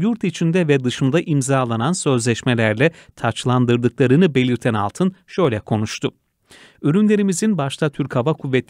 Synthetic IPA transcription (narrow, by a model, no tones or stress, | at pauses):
juɾt̪it͡ʃʰind̪ɛvɛd̪ɯʃɯnd̪aʔimzaːlˠanansø̞zlʲɛʃmɛlʲæɾlʲɛt̪ʰat͡ʃlˠand̪ɯɾd̪ɯklˠaɾɯnɯbe̞lʲiɾt̪ʰæna̰lˠt̪ʰɯnʃø̞jlʲɛkʰo̞nuʃt̪ʰʊ | yɾynlʲe̞ɾimizinbaʃt̪ʰat̪ʰyɾkhavakʰuvːɛt̪